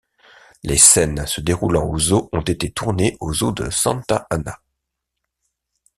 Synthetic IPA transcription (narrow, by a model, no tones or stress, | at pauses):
lʔesɛnsəd̪eʁulɑ̃ozoɔ̃t̪et̪et̪ʰuʁneʔozod̪ə̰sɑ̰̃nt̪aʔana